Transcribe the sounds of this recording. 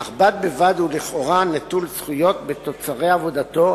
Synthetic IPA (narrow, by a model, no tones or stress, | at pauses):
aχbat̪̚bevad̪huliχo̞ʁanatulsχujo̞t̪bet̪o̞t͡saʁeavo̞d̪at̪o̞